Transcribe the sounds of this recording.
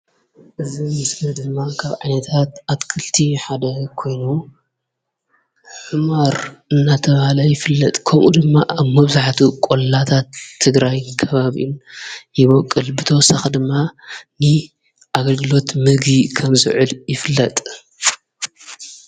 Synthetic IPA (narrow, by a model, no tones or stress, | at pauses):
ʔɨzimɨsnɐd̪ɨmːakʰaβʕajnɐt̪ʰat̪atkʰɨlt̪ʰiħad̪ɐkʰo̞jnu | ħɨmaɾɨnːat̪ʰɐβahalɐjɪfɨlːɐt̪ʼkʰɐmʔud̪ɨmːaʔaβmɐβzaħt̪ʰukʼollat̪ʰat̪ʰːɨɡɾajkʰɐβaβḭʔinjɪβɐkʼːɨlbɨt̪ʰɐwɔsaxid̪ɨmːanɨ | ʔaɡɐlɡɨlo̞t̪mɨɡikʰɐmzɨ̰ʕɨljɪfɨlːɐt̪ʼ